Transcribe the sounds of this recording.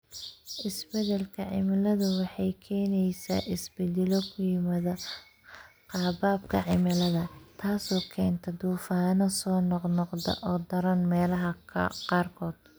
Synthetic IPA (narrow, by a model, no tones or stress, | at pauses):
ʔɪsbɛðɛlkʰɐʕɪ̰mɪlɐðʊwɑħɑjkʰɛːnɛjsa̰ːʔɪsbɛd̪ɛlɔkʰʊjɪmɐðɐ | qɑːbaːb̚kʰɐ̰ʕɪmɪlɐðɐt̪ʰaːsɔːkʰɛːnt̪ʰɐd̪uːfaːnɐsɔːnɔqnɔqdɐ̰ʔɔːd̪ɐɾɐnmɛːlɐɦɐ̰qɑːrkʰɔːd̪̥